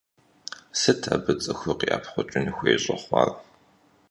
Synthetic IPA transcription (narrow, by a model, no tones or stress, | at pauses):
sɨtʰaːbɨt͡sʼɨxɨqiʔaːpχʷɔt͡ʃʼɪnixʷeːɕʼɐχʷɑ̰ːr